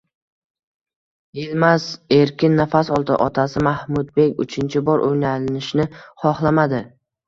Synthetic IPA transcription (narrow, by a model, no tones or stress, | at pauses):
jelmaze̞ɾkʲʰɪnːafasɒlˠt̪ʰaʔɒt̪ʰasɪmahmʊd̪̚be̞kʲʊ̰t͡ʃʰɪnt͡ʃʰɪbɒɾʔojnalɪnɪʃnɪχɒχlˠamad̪ɪ